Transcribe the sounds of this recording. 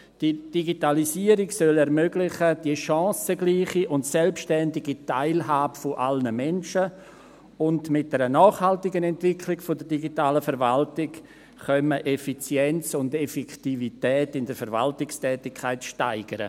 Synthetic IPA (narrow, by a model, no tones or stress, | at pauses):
d̥id̥iɡitalisiəɾɪɡsœlɛɾmøɡlɪχəd̥iəʃɑ̃ːsəɡliːχiʔʊntsɛlpʃtɛndɪɡitaɪlɦaːbəfoʔalnəmɛnʃə | ʊndmɪt̚d̥ɛɾənɔːχhaltɪɡənɛntv̥ɪkʰlɪɡfodədiɡitaːləfɛɾvaltɪk | χœməʔefit͡sjɛnt͡sʊndɛfɛktivitɛːtɪndəɾfəɾva̰ltɪkstʰɛːtɪkʰːaɪtʃtaɪɡ̥əɾə̰